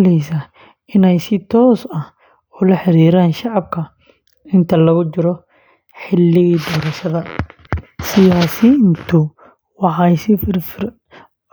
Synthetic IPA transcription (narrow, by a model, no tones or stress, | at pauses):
lɛjsɐ | ɪnɛjsɪt̪ʰɔːsɐh | ɔːlɐħɪɾiːɾaːnʃɑʕɑb̚kʰɐ | ɪnt̪ʰɐlɐɣʊt͡ʃɪɾɔ | ħɪlːɪɣiːd̪ɔːɾɐʃɐðɐ | sɪjaːsint̪ʰʊ | wɑħɑjsɪ